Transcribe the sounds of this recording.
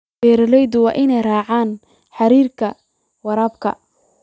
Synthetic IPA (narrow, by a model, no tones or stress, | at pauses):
ɛːɾɐlɛjðʊwɑːʔɪnɛjraːʕaːn | ħɑɾiːrkʰɐ | wɑɾɐbkʰɐ̰